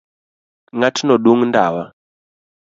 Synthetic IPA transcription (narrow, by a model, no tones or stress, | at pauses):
ŋatʰinɔɗuŋndawa